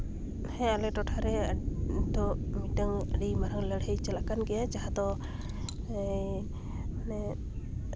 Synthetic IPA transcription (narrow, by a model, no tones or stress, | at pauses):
hɛ̃alɛʈɔʈʰaɾɛ | d̪ɔmitəŋəɖimaɾaŋləɽhəjt͡ʃəlakanɡɛjad͡ʒaɦad̪ɔ | ɛ